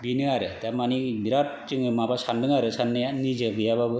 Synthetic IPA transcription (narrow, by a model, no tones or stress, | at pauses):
binɯaɾɯtamanibiɾat̚t͡ʃɯŋɯmabasandɯŋaɾɯsanːɯjanid͡ʒɯbijababɯ